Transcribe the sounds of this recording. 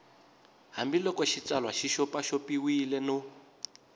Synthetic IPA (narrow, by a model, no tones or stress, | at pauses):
ɦambilɔkɔʃit͡salwaʃiʃɔpaʃɔpiwilɛno